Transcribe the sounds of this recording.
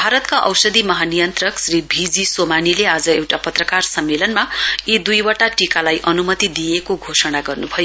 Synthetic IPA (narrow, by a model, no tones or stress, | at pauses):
bʱaɾʌt̪kaʔʌwsʌd̪imʌɦanijʌnt̪rʌksribʱid͡zisomanilead͡zʌewʈapʌt̪rʌkarsʌmːelʌnmaid̪ujwʌʈaʈikalajʔʌnumʌt̪id̪ijekoɡʱosʌɽ̃aɡʌrnubʱʌjo